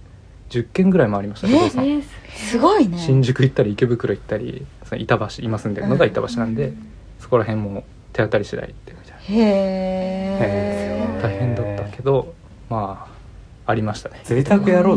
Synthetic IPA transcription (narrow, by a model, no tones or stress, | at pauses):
d͡ʑɨkːẽ̞ŋɡɯ̟ɾaimoaɾʲimaɕi̥t̪assɨɡoiɕĩɲ̟d͡ʑɨkɯ̟it̪ːaɾʲiːke̞bɯ̟kɯ̟ɾo̞it̪ːaɾʲḭsonoit̪abaɕiːmasɨ̃nd̪enoɡait̪abaɕinãnd̪e̞ | so̞̥ko̞ɾaɦẽ̞mːoː | t̪e̞at̪ːaɾʲiɕid̪a̰ḭt̪ːemʲit̪ḁjn | t̪aihẽ̞nd̪at̪ːake̞d̪o̞ | maː | aɾʲimaɕi̥t̪ane̥eit̪akɯjaɾoː